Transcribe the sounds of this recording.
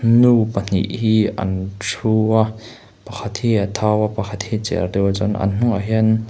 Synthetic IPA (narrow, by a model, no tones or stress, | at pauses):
nupən̥ḭʔhiːɐ̰nʈ͡ʂʰua | pɐkʰɐt̪̚hiːɐt̪ʰawapɐkʰɐt̪̚hiːt͡sɛ̰rd̪ewat͡sʊnʔɐ̰nn̥uŋaɦiən